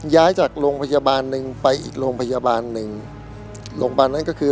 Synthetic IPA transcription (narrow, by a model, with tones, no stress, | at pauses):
jaː˦˥jt͡ɕaː˨˩k̚ɾoː˧ŋpʰa˧jaː˧baː˧nːɯ˨˧ŋpa˧jʔḭː˨˩k̚ɾoː˧ŋpʰa˧jaː˧baː˧nːɯ˨˩ŋ | loː˧ŋbaː˧nːa˦˥nkɔ˥˩kʰɯː˧